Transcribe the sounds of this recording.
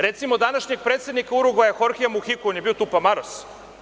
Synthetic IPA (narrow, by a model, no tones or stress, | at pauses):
ɾet̪simod̪anaʃɲeɡ̚pɾet̪se̞d̪nikauɾuɡajexoɾxijamuxikoonjebiot̪upamaɾos